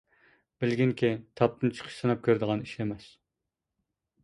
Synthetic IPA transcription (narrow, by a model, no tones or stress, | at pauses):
b̥ɪlɡʲiŋkʲit̪ʰɑp̚t̪ɨnt͡ʃʰə̥qʰə̥ʃsɨnɑp̚kʲʰøɾd̪əʁɑniʃɛmɛs